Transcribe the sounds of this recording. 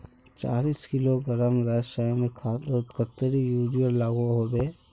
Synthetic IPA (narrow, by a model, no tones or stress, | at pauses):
t͡ʃa̰ːliːskɪloɡɐɾəmɾəsaːmẽkʰat̪kət̪ːəɾijuːɖiəɾlaːɡoɦobeː